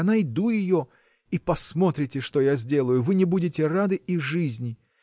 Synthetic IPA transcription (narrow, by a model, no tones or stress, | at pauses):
ɐnaɪd̪ujɪjo | ipɐsmo̞t̪ɾʲɪtʲɪʂt̪ojazʲdʲe̞lˠəjʊvɨnʲɪbudʲɪtʲɪrad̪ɨʔiʐɨzʲnʲɪ